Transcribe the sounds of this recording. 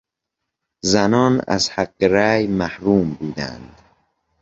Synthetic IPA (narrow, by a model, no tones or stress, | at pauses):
zænɒːnæ̰zhæɢːeɾæːjmæhɾuːmbuːd̪æ̰nd̪